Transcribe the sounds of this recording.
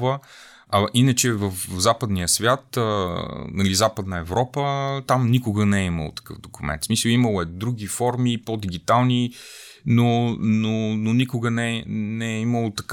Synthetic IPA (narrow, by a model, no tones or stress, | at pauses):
və | ɐʔinət͡ʃɛvəfzapəd̪nijəsvʲjat̪ənɐlizapəd̪nəɛvɾɔpət̪amnikʊɡənɛɛimə̰lˠo̰t̪ɐ̥kɤfd̪okumɛ̰nt̪smisəlˠiməlˠoɛd̪ɾuɡ̟ʲifɔɾmipod̪iɡʲit̪alˠni | nonononikʊɡənɛnɛɛiməlˠot̪ɐk